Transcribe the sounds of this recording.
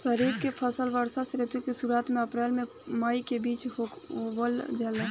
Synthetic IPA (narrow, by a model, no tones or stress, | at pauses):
səɾiːɾkepʰəsəlʋəɾsasɾɪt̪ukesuɾaːt̪mẽəpɾɛːlmẽ | məikebiːt͡ʃho | ʋəld͡ʒəle